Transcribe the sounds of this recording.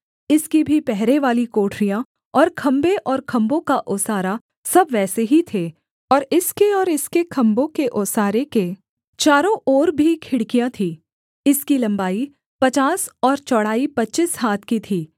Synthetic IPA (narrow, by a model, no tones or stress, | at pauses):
ɪskibʱipɛɦɾeʋaːlikoːʈʰɾijã | ɔːɾkʰɐ̃mbeʔɔːɾkʰɐ̃mbõkaʔɔːsaːɾa | sɐbʋɛːseɦit̪ʰeː | ɔːɾɪskeɔːɾɪskekʰɐ̃mbõkeʔɔːsaːɾeke | t͡ʃaːɾõʔɔːɾbʱikʰɪɽkijãt̪ʰiː | ɪskilɐ̃mbaːi | pɐt͡ʃaːsɔːɾt͡ʃɔːɽaːipɐtːt͡ʃisɦaːt̪ʰkit̪ʰiː